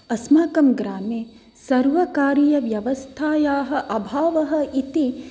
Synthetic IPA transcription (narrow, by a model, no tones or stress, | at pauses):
ɐsmaːkɐmɡɾaːmeː | sɐɾʋɐkaːɾijɐʋjɐʋɐst̪ʰaːjaːɦɐ̆ʔɐbʱaːʋɐɦɐ̆it̪i